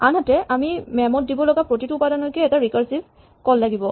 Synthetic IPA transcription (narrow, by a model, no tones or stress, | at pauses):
anɦatɛʔamimɛmɔt̚dibɔlɔɡapɹotitʊːpadanɔkɛɛtaɹikaɹsib | kɔlːaɡibɔ